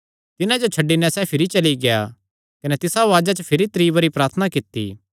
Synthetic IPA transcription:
t̪ɪnãd͡ʒot͡ʃʰɐɖːinɛsɛpʰɪɾit͡ʃɐliɡeja̰ | kɐnɛt̪ɪsaʋaːd͡ʒat͡ʃəpʰɪɾit̪ɾiːʋɐɾipɾaːɾt̪ʰənakɪt̪ːḭː

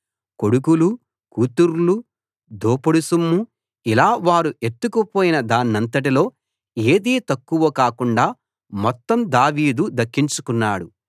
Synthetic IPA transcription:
ko̞ɽukulu | kuːt̪uɾulu | d̪ʱoːpɐɽusumːu | ilaːʋaːɾuʔe̞t̪ːukupoːjinɐd̪aːnːɐnt̪̬ɐʈ̬ilo̞ː | e̞ːd̪iːt̪ɐkːuʋɐkaːkuɳɖaː | mɔt̪ːɐmd̪aːʋiːd̪ud̪ɐkːiɲt͡ʃukunːaːɽu

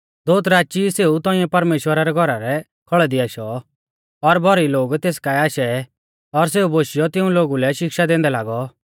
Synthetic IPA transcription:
d̪oːt̪ɾaːt͡ʃiseːut̪ɔ̃ɪ̃ɛpɐɾmeːʃwəɾaɾɛɡʱɔɾaɾɛ | kʰɔɭɛd̪iaːʃɔ | ɔɾbʱɔɾiloːɡt̪eːskaɛaːʃɛ | ɔɾs̬eːuboːʃɪjɔt̪ɪ̃ũloːɡulɛʃɪkʃad̪ẽːnd̪ɛlaːɡɔ

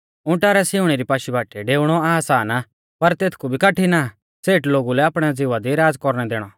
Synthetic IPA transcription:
ʊ̃ʈaːɾɛsiʊɽ̃ɛɾipaːʃibaːʈɛɖeːʊɽ̃ɔaːsaːna | pɐɾt̪eːt̪ʰkubʱikaʈina | seːʈloːɡulɛaːpɽ̃ɛd͡zɪʋad̪iɾaːd͡zkɔɾɽ̃ɛd̪eːɽ̃ɔ

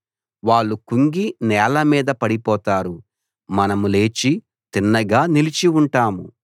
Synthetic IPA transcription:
ʋaːɭːukuŋɡinɛːlɐmiːd̪ɐpɐɽipɔːt̪aːɾu | mɐnɐmule̞ːt͡ʃi | t̪inːɐɡaːnilit͡ʃiuɳʈaːmu

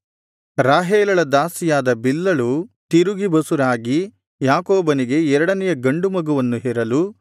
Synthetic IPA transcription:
ɾaːɦeːlɐɭɐd̪aːsijaːd̪ɐbilːɐɭut̪iɾuɡibɐsuɾaːɡi | jaːkoːbɐniɡe̞ɛɾɐɽɐnɛjɐɡɐɳɖumɐɡuʋɐnːuɦɛːɾɐlu

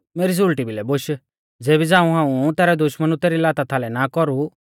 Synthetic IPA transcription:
meːɾis̬ulʈibʱilɛboʃ | d͡zeːbid͡zãːũɦãːũt̪ɛːɾɛd̪ʊʃmənũt̪ɛːɾilaːt̪at̪ʰaːlɛnakɔɾu

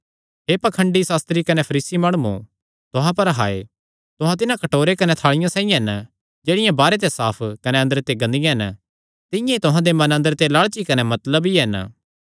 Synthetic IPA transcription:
ɦepɐkʰə̃ɳɖisaːst̪ɾikɐnepʰɐɾiːsimaːɽ̃uṵ̃ | t̪ʊɦãpɐɾɦaːḛ | t̪ʊɦãt̪̬ɪnãkɐʈoːɾekɐnet̪ʰaːɭɪjãsãːĩjãɦɛn | d͡ʒeːɽɪjãbaːɾet̪̬esaːpʰkɐneɐ̃nd̪əɾt̪eɡɐ̃nd̪ɪjãɦɛn | t̪ɪ̃jãit̪ʊɦãd̪emɐ̃nɐ̃nd̪əɾt̪elaːɭt͡ʃikɐnemɐt̪ləbiɦɛn

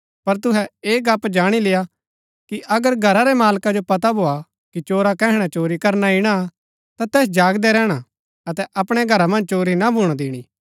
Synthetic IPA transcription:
pɐɾt̪ʊɦɛeːɡaːpd͡ʒaːɽ̃ileja | kiʔɐɡəɾɡʱɐɾaɾɛmaːlkad͡ʒopɐt̪̬abʱoa | kit͡ʃoːɾakɛ̃ːɦɽ̃at͡ʃoːɾikɐɾnaɪɽ̃a | t̪at̪ɛːs̬d͡ʒaːɡd̪ɛɾɛːɽ̃a | ɐt̪ɛʔɐpɽ̃eɡʱɐɾamɐ̃nd͡ʒt͡ʃoːɾinabʱuːɽ̃ad̪ɪːɽ̃iː

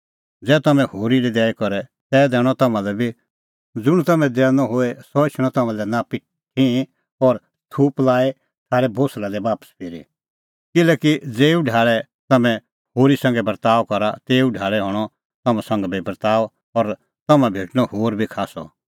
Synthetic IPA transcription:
d͡zɛːt̪ɐmɛ̃hoːɾilid̪ɛːikɔɾɛt̪ɛːd̪ɛːɽ̃ɔt̪ɐmãlɛbʱi | d͡zʊɽ̃t̪ɐmɛ̃d̪ɛːnɔɦoesɔɪt͡ʃʰɽ̃ɔ̃t̪ɐmãlɛnapɪ | ʈʰĩ | ɔɾ | t̪ʰuːplaːe | t̪ʰaːɾɛbʱoːslad̪ɛbaːpə̥spʰiːɾḭ | kɪlɛːkid͡zeːuɖʱaːɭɛ | t̪ɐmɛ̃ | hoːɾisɐ̃ŋɡɛbɐɾt̪aːɔkɔɾat̪eːuɖʱaːɭɛɦɔːɽ̃ɔ | t̪ɐmãsɐ̃ŋɡbʱibɐɾt̪aːɔ | ɔɾ | t̪ɐmãbʱeːʈñɔhoːɾbʱikʰaːsɔ̰

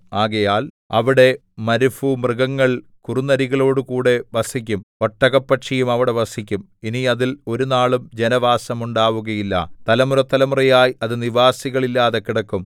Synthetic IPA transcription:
aːɣɐjaːl | ɐ̰ʋiɽe̞ | mɐɾufumrɨɣɐŋːɐɭ | kurunɐɾiɣɐɭo̞ːɽɨkuːɽe̞ʋɐsikʲːumɐʈːɐɣɐpːɐʈʂɐjumɐʋiɽe̞ʋɐsikʲːum | iniɐðilo̞ɾunaːɭumd͡ʑe̞nɐʋaːsɐmuɳɖaːʋuɣɐjilːɐ̰t̪ɐlɐmuɾɐt̪ːɐlɐmurɐjaːjiɐðɨniʋaːsiɣɐɭilːaːðekːiɽɐkːum

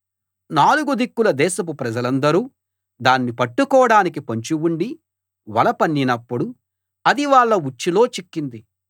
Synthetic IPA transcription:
naːluɡud̪ikːulɐd̪ɛːʃɐpupɾɐd͡ʒɐlɐnd̪ɐɾuː | d̪aːnːipɐʈːukɔːɽaːnik̬ipɐɲt͡ʃiwuɳɖi | ʋɐlɐpɐnːinɐpːuɽu | ɐd̪iʋaːɭːɐut͡ʃːilo̞ːt͡ʃikːind̪i

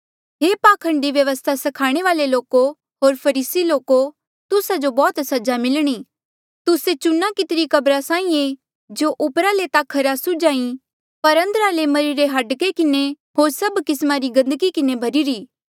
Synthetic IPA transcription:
ɦeːpaːkʰɐ̃ɳɖiʋjɐʋəst̪ʰasɐkʰaːɽ̃eʋaːleloːko | ɦoːɾpʰɐɾiːsiloːko | t̪ʊsad͡ʒobɔːt̪sɐd͡ʒamɪlɽ̃iː | t̪ʊset͡ʃʊnːakɪt̪ɪɾikɐbɾasãːĩẽ | d͡ʒoːʔʊpɾalet̪akʰɐɾasʊd͡ʒaːĩ | pɐɾɐ̃nd̪ɾalemɐɾiɾeɦɐɖkekɪne | ɦoːɾsɐbkɪsmaɾiɡɐ̃nd̪əɡikɪnebʱɐɾiɾiː

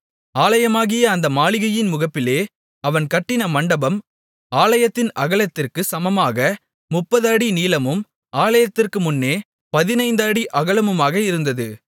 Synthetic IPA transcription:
aːlɐjɐmaːɣɪjɐːnd̪ɐmaːɭɪɣɐjɪnmʊɣɐpːɪleː | ɐʋɐnkɐʈːɪnɐmɐɳɖɐbɐm | aːlɐjɐt̪ːɪnɐɣɐɭɐt̪ːɪrkɯsɐmɐmaːɣɐ | mʊpːɐðaːɽiniːlɐmɯm | ʔaːlɐjɐt̪ːɪrkɯmʊnːeː | pɐðɪnɐɪnd̪aːɽiʔɐɣɐɭɐmɯmaːɣɐɪɾɯnd̪ɐðɯ

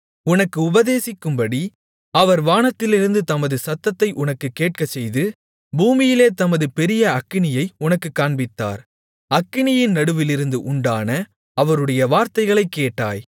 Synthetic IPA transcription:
ʊnɐkːɯʊbɐðeːsɪkːɯmbɐɽi | ɐʋɐɾʋaːnɐt̪ːɪlɪɾɯnd̪ɯt̪ɐmɐðɯsɐt̪ːɐt̪ːɐɪʔʊnɐkːɯkːeːʈ̚kɐt͡ʃːɛjðɯ | buːmɪjɪleːt̪ɐmɐðɯpɛɾɪjɐɐkːɪɳɪjɐɪʊnɐkːɯkːaːɳbɪt̪ːa̰ːɾ | ɐkːɪɳɪjɪnnɐɽɯʋɪlɪɾɯnd̪ɯʔʊɳɖaːnɐ | ɐʋɐɾɯɽɐjɐʋaːɾt̪ɐɪɣɐɭɐɪkːeːʈːa̰ːj

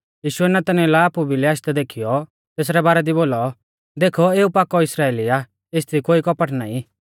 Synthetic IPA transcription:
jiːʃuɛnɐt̪ɐnilɛaːpubʱilɛaʃt̪ɛd̪eːkʰijɔ | t̪eːsɾɛbaːɾɛd̪iboːlɔ | d̪eːkʰɔeːupaːkɔɪsɾaːeːlia | est̪ʰikoːikɔpəʈnaːĩ

